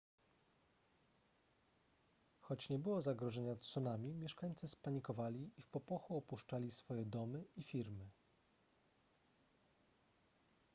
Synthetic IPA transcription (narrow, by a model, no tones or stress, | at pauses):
xɔt͡ɕɲɛbɘwɔzaɡɾɔʐɛɲat̪sunamʲimʲjɛʂkaɲt̪sɘspaɲikɔvalʲiifpɔpɔxuɔpuʂt͡ʂalʲisfɔjɛd̪ɔmɘifʲiɾmɘ